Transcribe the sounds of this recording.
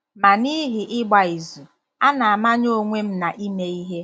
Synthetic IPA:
ma˨ni˦ɦi˨ʔɪ˦ɡ͡ba˨i˨zu˨ | a˦na˨a˨ma˦ɲo˦˨ŋʷe˦m̩˦na˨ʔi˦me˦i˦ɦe˦

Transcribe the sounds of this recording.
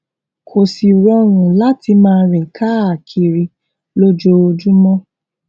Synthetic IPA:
kʰo˨si˨ɾɔ˧˦ɾ̃ũ˨la˦ti˧mãː˦˧ɾĩ˨kʰa˦a˨kʰi˨ɾi˧ | lo˦d͡ʒo˧d͡ʒu˦mɔ̃˦

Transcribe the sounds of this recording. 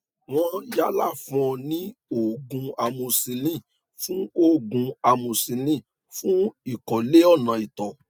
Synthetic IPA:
w̃ɔ̃˧ja˧˦la˦˨fɔ̃˧nĩ˦o˦˨ɡũ˧a˧mũ˧si˧lĩ˦˨ | fũ˦o˦˨ɡũ˧a˧mũ˧si˧lĩ˦˨ | fũ˦i˦˨kɔ˨le˦ɔ˦˨nã˨i˨tɔ˨

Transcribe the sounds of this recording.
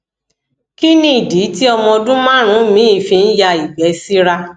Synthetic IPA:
ki˦nĩ˦i˨di˨˦ti˦ɔ˧mɔ̃˧dũ˦mã˦ɾ̃ũ˨˦mĩ˨˦i˦˨fĩ˧n̩˦ja˧i˨bɛ˨˦si˦ɾa˧

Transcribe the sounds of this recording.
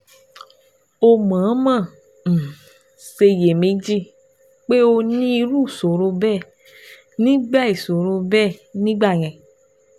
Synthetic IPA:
o˧mã˨˦mã˦˨ | ñ̩˨ | se˧je˨mẽ˧˦d͡ʒi˦˨ | k͡pe˦o˧nĩ˦i˧ɾu˦˨so˨ɾo˧bɛ˦˨ | nĩ˦ɡ͡ba˦˨i˨so˨ɾo˧bɛ˦˨nĩ˦ɡ͡ba˦˨j̃ɛ̃˧˨

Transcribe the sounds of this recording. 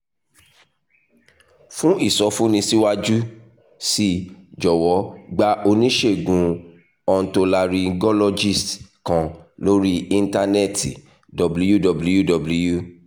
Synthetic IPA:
fũ˦i˦˨sɔ˨˦fũ˦nĩ˧si˦wa˦d͡ʒu˦ | si˦d͡ʒɔ˨wɔ˨˦ɡ͡ba˧ʔo˧nĩ˦ʃe˦˨ɡũ˨ | ɔ˧n̩˨to˧la˧ɾi˧ɡɔ˦lɔ˧d͡ʒi˦˨stkã˨lo˦ɾi˦ĩ˧n˦ta˧nɛ˦˨ti˨ | dɔ˨blu˦ju˦dɔ˨blu˦ju˦dɔ˨blu˦ju˦˨

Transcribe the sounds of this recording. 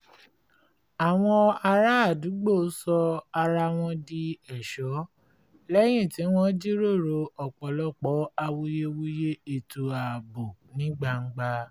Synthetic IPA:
a˨w̃ɔ̃˧a˧ɾa˦a˦˨du˨˦ɡ͡bo˦˨˦sɔ˧a˧ɾa˧w̃ɔ̃˧di˧ɛ˨ʃɔ˨˦ | lɛ˦j̃ĩ˦˨ti˨˦w̃ɔ̃˦d͡ʒi˦ɾo˦˨ɾo˧ɔ˨k͡pɔ˨lɔ˦˨k͡pɔ˨˦a˧wo˧je˧wu˦je˦e˨to˨a˨bo˨nĩ˦ɡ͡ba˧ŋ̩˦ɡ͡ba˧

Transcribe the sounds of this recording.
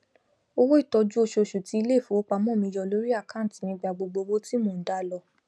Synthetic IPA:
o˧wo˦i˦˨tɔ˧d͡ʒu˦o˧ʃo˧o˧˨ʃu˨ti˧i˧le˦˨fũ˨˦o˦k͡pa˧mɔ̃˦˨mĩ˧jɔ˧˨lo˨˦ɾi˦a˦˨kã˦˨ti˨˦mĩ˧ɡ͡ba˨ɡ͡bo˧ɡ͡bo˧wo˦ti˦mo˧˨n̩˨da˦lɔ˧

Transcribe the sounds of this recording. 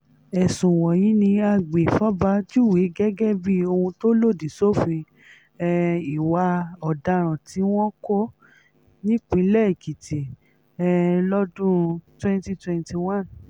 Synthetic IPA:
ɛ˨sũ˨wɔ̃˨jĩ˨˦nĩ˧a˧ɡ͡be˨fa˦ba˦tu˦˨we˨˦ɡɛ˦ɡɛ˦bi˦o˧hũ˧to˦lo˦˨di˨so˦˨fĩ˧ | i˨wa˧ɔ˨da˧ɾ̃ã˨tʰi˨˦w̃ɔ̃˦ko˦ | nĩ˦k͡pĩ˨˦lɛ˦˨i˨ki˨ti˨ | ɛ˧lɔ˦dũ˦twɛ̃˦nti˦twɛ̃˧nti˧w̃ã˦n

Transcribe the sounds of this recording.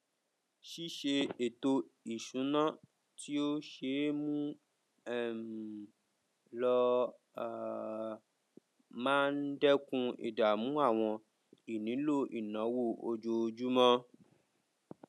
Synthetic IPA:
ʃi˦ʃe˧e˨to˧i˨ʃũ˨˦nã˦ | ti˦o˦ʃe˧˦mũ˦ | ɛ˦˨ | lɔ˧˨ | mãː˦n̩˦dɛ˦kũ˧ḭ˨da˨mũ˨˦a˦˨w̃ɔ̃˧ | i˨nĩ˨˦lo˦˨ʔi˨nã˨˦wo˦˨o̰˧d͡ʒo˧d͡ʒu˦mɔ̃˦

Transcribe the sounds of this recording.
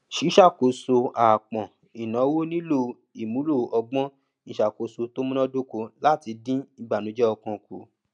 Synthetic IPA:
ʃi˨˦ʃa˦˨ko˨so˧aː˨k͡pɔ̃˨ | i˨nã˨˦wo˦nĩ˦lo˧˨ | i˨mũ˨˦lo˦˨ɔ˧ɡ͡bɔ̃˦ | ĩ˨˧˨ʃa˨ko˨so˧to˦mũ˦nɔ̃˦do˦ko˧la˦˨ti˧dĩ˦i˧ɡ͡ba˨nũ˨˦d͡ʒɛ˦ɔ˧kɔ̃˧ku˨

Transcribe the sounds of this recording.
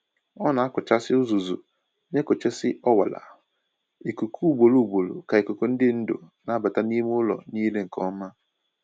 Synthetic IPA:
ɔ˦na˨a˦kʊ˨t͡ʃa˦sɪ˦ʊ˦zu˨zṵ˨ | ne˦ko˨t͡ʃe˦sɪ˦ʔɔ˦wa̰˨la̰˨ | i˨ko˨kʰu˦u˨bo˨lu˦u˨bo˨lo̰˨ka˨e˨ko˨ko˦n̩˦dɪ˦n̩˦do̰˨na˨˦a˦ba˨ta˦ni˦m˦ʊ˦lɔ̰˨niː˦le˦ŋ̩˨kɔ˦ma˦

